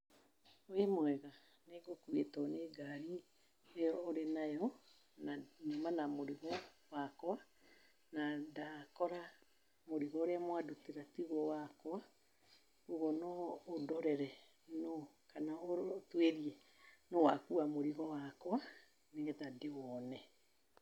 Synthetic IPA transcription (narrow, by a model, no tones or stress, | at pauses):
oemwɛɣa | neɡokuetɔneɡaɾi | eɔːɾenajɔ | naɲomanamoɾiɣɔwakwa | nadakɔɾa | moɾiɣɔoɾeamwaduteɾatiɣɔwakwa | uɣɔnɔːdɔɾɛɾɛ | nɔ | kanaotweɾie | nowakuamoɾiɣɔwakwa | neɣɛtadewɔnɛ